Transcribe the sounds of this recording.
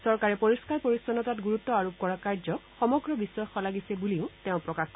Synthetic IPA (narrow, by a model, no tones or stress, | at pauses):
sɔɹkaɹɛpoɹiskaɹpoɹisɔnɔtatɡuɹutːɔaɹob̚kɔɹakaɹzɔxɔmɔɡɹɔbisːɔjxɔlaɡisɛbuliʊteʊ̃pɹɔkaxkɔ